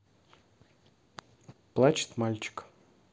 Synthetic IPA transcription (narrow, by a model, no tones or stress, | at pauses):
plˠat͡ɕɪ̥t̪malʲt͡ɕɪ̥k